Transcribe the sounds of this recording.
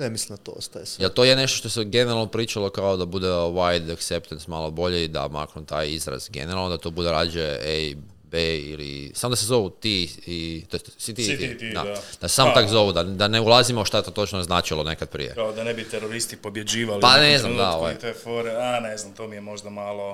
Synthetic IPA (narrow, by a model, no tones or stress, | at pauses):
amislimd̪at̪oo̰st̪ajeselt̪o̞jene̞ʃt̪oʃt̪oseɡe̞neɾalˠnopɾiːt͡ʃalˠokaod̪abud̪eoʋajd̪akt̪sept̪ensmalobo̞ʎeid̪a̰ma̰kɾunt̪aːjizɾa̰zɡḛneɾalˠnod̪at̪o̞ːbud̪eɾaːd͡ʒee | beḭlḭsamod̪asezo̞ʋut̪iit̪ossit̪iiidd̪a̰d̪̥assaːmakzo̞ʋud̪ad̪aneulˠazimoʃt̪aet̪ot̪o̞t͡ʃnoznaːt͡ʃilone̞kad̪̚pɾḭjḛkaod̪anebit̪eɾoɾist̪ipo̞bjed͡ʒiːʋalipaneznamd̪aoʋa̰jt̪efoɾeaneznamt̪omijemo̞ʒd̪amaːlˠo